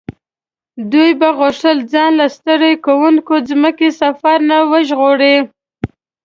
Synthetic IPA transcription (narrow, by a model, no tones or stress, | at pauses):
d̪ujbaɣʊʂəld͡zɑnlast̪əɾekawuŋkozməkesafaɾnawəʒɣoɽe